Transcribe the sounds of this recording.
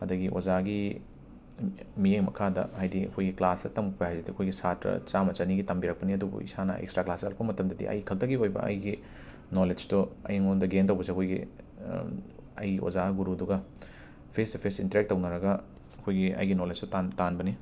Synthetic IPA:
hɐdɐɡiʔo̰d͡ʒaɡi | mijeŋmɐ̰kʰadɐ̰hajdiɐ̰kʰojɡiklasɐtɐmuk̚pɐhajzidiɐkʰojɡisatɾɐ̰t͡ʃamɐt͡ʃɐniɡitɐmbiɾɐk̚pɐniɐdubṵḭsanɐ̰ʔḛkstɾaklasɐ̰lpɐmɐtɐmdɐdḭʔɐ̰jkʰɐltɐɡiojbɐ̰ɐ̰jɡi | noled͡ʒdoɐ̰jŋondɐɡentɐwbɐsiɐkʰojɡḭ | ɐ̰jɡiʔo̰zaɡuɾuduɡɐ | pʰesdpʰesintɾek̚tːɐwnɐɾɐɡɐ | ɐkʰojɡiɐ̰jɡinoled͡ʒtotantanbɐni

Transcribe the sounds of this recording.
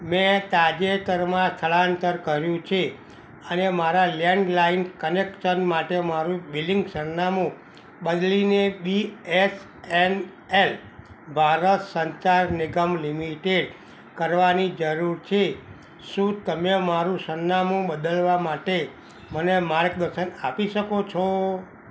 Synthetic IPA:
mẽt̪ad͡ʒek̪əɾmãst̪ʰəɭaənt̪əɾkəɾjũt͡ʃʰe | ənemaɾalɛɳɖlainkənekʃənmaʈemaɾũbiliŋɡsənːamũ | ɓəd̪linebies | en | el | bʱaɾət̪səɲt͡ʃaɾniɡəmlimiʈeɖ | kəɾʋanid͡ʒəɾuɾt͡ʃʰe | ʃũt̪əmemaɾũsənːamũbəd̪əlʋamaʈe | mənemaɾɡd̪əɾʃənapiʃəkot͡ʃʰo

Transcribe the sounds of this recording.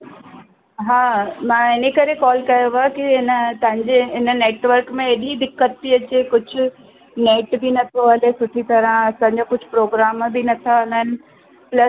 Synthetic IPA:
ɦaːmãːɪnekɐɾekɔːlkɐjoʋakiɪnət̪ɐ̃ɦɪ̃ɲd͡ʑeɪnə̆neːʈʋəɾkmẽeɗid̪ɪkːət̪ːiɐt͡ɕekʊd͡ʑʱʊ̆ | neːʈbinɐt̪ʰoɦɐlesʊʈʰit̪ɐɾə̃ɐsãːɲ̆d͡ʑokʊd͡ʑʱʊ̆pɾoːɡɾaːmbɪnɐt̪ʰaɦɐlaɦɪnɪ̆ | plɐs

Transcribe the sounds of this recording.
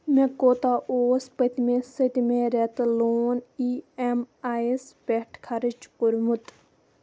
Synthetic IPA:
mekoːt̪aʔoːspət̪ʲmesət̪imeɾet̪loːniemaspeʈʰkʰɐɾɨt͡ʃpuɾmut̪

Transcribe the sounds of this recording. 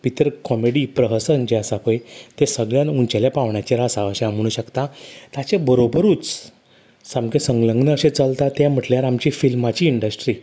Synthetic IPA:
pit̪əɾkɔmeɽipɾəɦəsənd͡ʑeasakojt̪esəɡɭjanuɲt͡ɕaljapaʋɳjat͡ɕeɾasaəɕeam̤uɽ̃ũɕəkt̪at̪at͡ɕebəɾobəɾuːt͡s | samkesəŋɡləŋɡnəəɕet͡səlt̪at̪jãm̤əʈljaɾamt͡ɕifilmat͡ɕiːɳɖəsʈɾiː

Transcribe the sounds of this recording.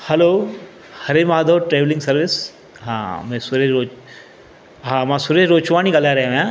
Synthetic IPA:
hɐloː | hɐɾemaːd̪ʱoːʈɾeːʋlɪ̃ŋɡsɐɾʋɪs | ɦã̰ːmɛ̃ːsʊɾed͡ʒo | ɦãːmãːsʊɾeːd͡ʒɾoːt͡ʃʋaːnikɐlaːɾɐɦẽjãː

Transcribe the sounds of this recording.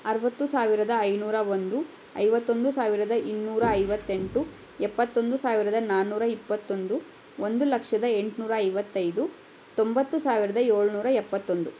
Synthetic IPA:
ɐɾɐʋɐt̪ːusaːʋiɾɐd̪ɐɐjnuːɾɐʋond̪u | ɐ̰jʋɐt̪ːo̞nd̪usaːʋiɾɐd̪ɐʔinːuːɾɐːjʋɐt̪ːe̞ɳʈu | ɛpːɐt̪ːo̞nd̪usaːʋiɾɐd̪ɐnaːnːuːɾɐipːɐt̪ːo̞nd̪u | ond̪ulɐkʂɐd̪ɐeɳʈnuːɾɐːɐjʋɐt̪ːɐjd̪u | t̪o̞mbɐt̪ːusaːʋiɾɐd̪ɐeːɭnuːɾɐɛpːɐt̪ːo̞nd̪u

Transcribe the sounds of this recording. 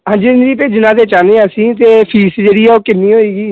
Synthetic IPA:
ɦãːnd͡ʒiːɪnɾiːpeːd͡ʒɪnãːt̪eːt͡ʃaːneːəsĩːt̪eːpʰiːsd͡ʒeːɽiːɛːoːkɪnːiːɦoːiːɡiː

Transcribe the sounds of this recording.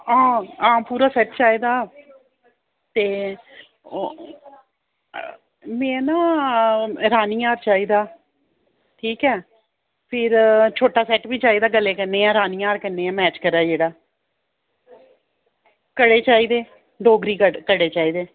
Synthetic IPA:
ɦãːãːpuːɾaːsɛːʈt͡ʃaːiːd̪aː | t̪eː | mɛ̃ːnãː | ɾaːniːaːɾt͡ʃaːiːd̪aː | ʈʰiːkɛː | pʰɪɾt͡ʃʰoːʈaːsɛːʈbiːt͡ʃaːiːd̪aːɡəlːeːkənːeːãːɾaːniːaːɾkənːeːãːmɛːt͡ʃkəɾaːd͡ʒeːɽaː | kəɽeːt͡ʃaːiːd̪eː | ɖoːɡɾiːkəkəɽeːt͡ʃaːiːd̪eː

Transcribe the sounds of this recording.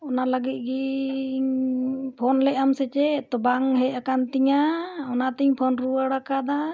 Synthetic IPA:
ɔnalaɡit̪̚ˀɡi | pʰɔnlɛʔamsɛt͡ʃɛt̪ɔbaŋɦɛakant̪iɲaɔnat̪iɲpʰɔnɾuaɽakad̪a

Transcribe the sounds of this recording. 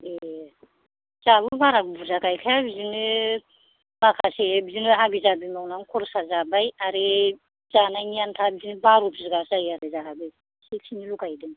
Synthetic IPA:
e | z̥abɯbaɾakbuzakʰajkʰajabizinɯ | makʰasebizinɯɦabizabimawnaŋkʰɔɾsazabajaɾe | zananijantʰabizinɯbaɾɔpʰzɯɡasajaɾɯzaɦabɯ | sek̚sʰinilukajdɯn

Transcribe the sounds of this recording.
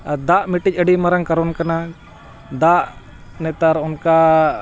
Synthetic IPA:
ad̪aʔmiʈic̚ˀəɖimaɾaŋkaɾɔnkana | d̪aʔ | nɛt̪aɾɔnka

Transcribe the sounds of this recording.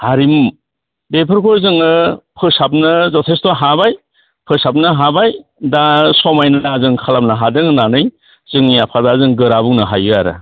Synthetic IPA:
haɾim | bepʰɯɾkʰɔjzɯŋɯpʰɯsap̚nɯzɔtʰestɔɦabaj | pʰɯsap̚nɯɦabajdasɔmajnɯnazɯŋkʰalam̚naɦadɯŋɯnanɯj | z̥ɯŋijapʰadazɯŋɡɯɾabuŋnɯɦajaɾɯ̰

